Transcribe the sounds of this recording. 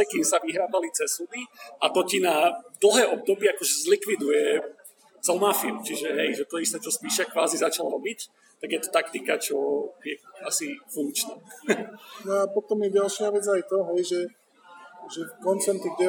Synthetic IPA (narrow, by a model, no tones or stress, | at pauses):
ɛkimsaʋiɦɾaːbalit͡sɛsud̪iat̪ɔcinad̪l̩ˠɦɛːʔɔb̚d̪ɔbɪiakɔʒɛzlikʋid̪ujɛ | t͡sɛlmafiut͡ʃiʒɛɦɛjʒɛt̪ɔist̪ɛːt͡ʃɔspiːʃakʋaːzizat͡ʃalɾɔbic | t̪aɡjɛt̪ɔ̥t̪ak̚t̪ikat͡ʃɔjɛasifuŋk̚t͡ʃnɛː | nɔapɔt̪ɔmjɛɟalʃɪaʋɛd͡zajt̪ɔɦɛjʒɛ | ʒɛkɔnt͡sɛnt̪iɡɟɛ